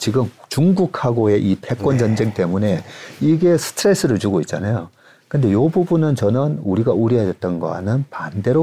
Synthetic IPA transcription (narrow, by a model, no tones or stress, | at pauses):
t͡ɕiɡɯmt͡ɕuŋɡukʰaɡoe̞ʔipʰe̞k͈wʌnd͡ʑʌnd͡ʑe̞ŋt͈e̞mune̞iɡe̞sʰɯ̥tʰɯɾe̞s͈ɯɾɯɭt͡ɕuɡoit̚t͡ɕ͈anajo | kɯnde̞jobubunɯnt͡ɕʌnɯnuɾiɡauɾjiɦadʌt̚t͈ʌnɡʌ̰a̰nɯnpande̞ɾo